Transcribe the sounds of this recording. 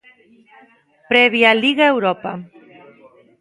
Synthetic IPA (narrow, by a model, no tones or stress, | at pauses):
pɾeβjaliɣaewɾopa